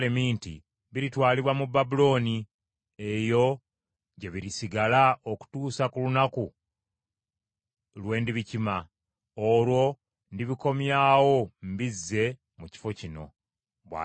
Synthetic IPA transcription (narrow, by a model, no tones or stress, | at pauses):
lemiːntḭ | βiɾitwaːliβwamubːabulo̞ːni | ejo̞ | ɟe̞βiɾisiɡalaoku̥tuːsakulunaku | lwe̞ːndiβicima | olwo̞ | ndiβiko̞mjaːwo̞mbizːe̞ | muci̥fo̞cino̞ | βwa̰